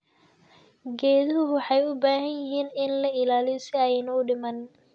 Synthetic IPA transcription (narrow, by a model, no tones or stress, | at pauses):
ɡɛːðɐɦʊɦʊħɑjʊbaːɦɐnjɪɦiːnɪnlɐɪlaːlɪjɔsɪɐjnɔɖɪmɐn